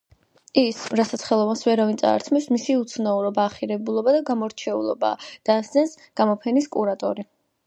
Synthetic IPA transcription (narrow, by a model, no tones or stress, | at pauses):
isɾasat̪sʰχɛlˠɔvansvɛɾavint̪ʼa̰ːɾt̪ʰmɛpsmisiut̪sʰnauɾɔbaːχiɾɛbulˠɔbad̪aɡamɔɾt͡ʃʰɛṵlˠɔ̰ba̰d̪̥asd̪sɛns | ɡ̥amɔpʰɛniskʼuɾat̪ʼɔ̰ɾi